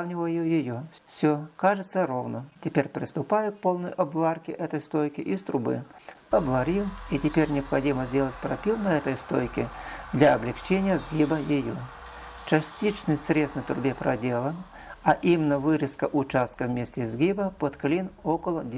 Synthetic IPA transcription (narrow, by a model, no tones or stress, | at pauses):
avnʲɪvəjjʊjɪjoffsʲokaʐɨt̪səɾovnətʲɪpʲeɾʲpɾʲɪst̪ʊpajʊk̚po̞lˠnəjʔɐbvarkʲɪʔɛt̪əjst̪ojkʲɪʔist̪ɾʊbɨ̰ | ɐbvɐɾʲilˠitʲɪpʲeɾʲnʲɪɐpxɐdʲiməzʲdʲe̞lˠət̚ʲpɾɐpʲilˠnəɛt̪əjst̪o̰jkʲɪd̪lʲaɐblʲɪxt͡ɕenʲɪjəzɡʲibəjɪjo̰ | t͡ɕɐsʲtʲit͡ɕnɨsʲsɾʲet̪st̪nət̪ɾʊbʲepɾɐdʲe̞lˠə | ɐʔimʲɪnːəvɨɾʲɪskəʔʊt͡ɕast̪kəvmʲesʲtʲɪzʲɡʲibəpot̪klʲinokəlˠəd̪ʲ